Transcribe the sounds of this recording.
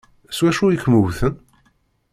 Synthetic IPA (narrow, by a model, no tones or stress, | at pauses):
swæʃujikmuwθən